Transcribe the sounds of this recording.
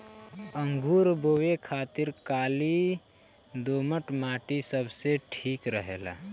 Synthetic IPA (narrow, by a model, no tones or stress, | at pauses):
əŋɡʱuɾbowekʰaːt̪iɾkaːli | d̪oməʈmaːʈisəbʱseʈʰiːkɾəɦḛːla̰